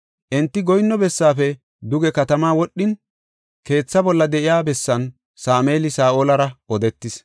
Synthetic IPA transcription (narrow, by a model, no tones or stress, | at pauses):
ʔɛnt̪ːɪɡɔjnːɔbɛsːaːfɛ | d̪ʊɡɛkɐt̪ɐmaːwɔɗːɪn | ke̞ːt͡sːɐbɔlːɐd̪ɛʔɪjaːbɛsːɐn | saːmeːlɪsaːʔoːlɐɾɐɔd̪ɛt̪ːɪs